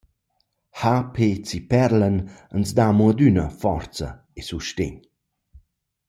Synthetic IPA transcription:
hapʰet͡sipɛɾlənənzd̪amuəd̪ynəfɔ̰rt͡sə̰ | esuʃtḛɲ

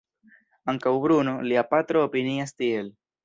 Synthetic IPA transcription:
aŋkawbɾuno̞liapat̪ɾo̞ːpiniastie̞l

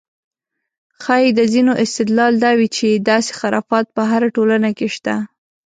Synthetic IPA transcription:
xɑjid̪əzinoʔɪst̪ɪd̪lɑld̪ɑwit͡ʃed̪ɑse̥xaɾɑ̰fɑt̪̚pəɦaɾaʈolanakeʃt̪a

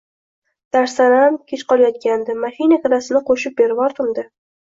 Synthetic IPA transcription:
d̪̥aɾsanamkʲʰet͡ʃqɒlˠajɒt̪̚kʲand̪ɪmahijnakʲʰɾasɪnɪqʰoʃɪp̚be̞ɾɪbɒɾt̪ɪmd̪ɪ

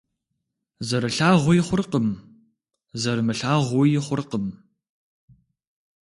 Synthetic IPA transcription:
zɐɾɨɬaːʁʷʊjɪχʷʊrqəm | zɐɾɨmɨɬaːʁʷʊjɪχʷʊrqəm

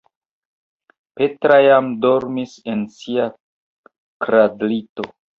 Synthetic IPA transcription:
pe̞tɾajamdo̞ɾmise̞nsia | kɾadlito̞̰

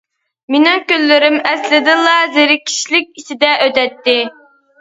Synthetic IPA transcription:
mɪnɪŋkʲølːɪɾɪmɛslɪd̪ɪlˠɑzeɾɪkʲʰi̥ʃlɪk̚ʲisɪd̪ɛʔøt̪ɛt̪ːɪ

